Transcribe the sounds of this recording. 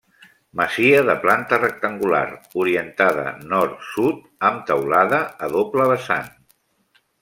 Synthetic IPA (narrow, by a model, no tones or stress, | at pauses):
məziəðəplant̪ərək̚t̪əŋɡula̰ruɾiənt̪aðə̰nɔɾt̪sut̪̚ | əmt̪əwlaðəːðopləβəsa̰n